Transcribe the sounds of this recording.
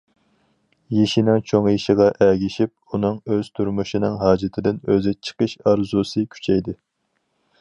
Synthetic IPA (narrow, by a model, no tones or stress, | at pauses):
jeʃinɪŋt͡ʃʰoŋjiʃɪʁɑʔɛɡʲiʃip̚unɨŋøz̥t̪ʰuɾmuʃinɨŋɦɑːd͡ʒɪt̪ʰɪd̪ɪnøzɪt͡ʃʰə̥qəʃɑɾzusɨkʲʰy̥t͡ʃʰɛjd̪ɪ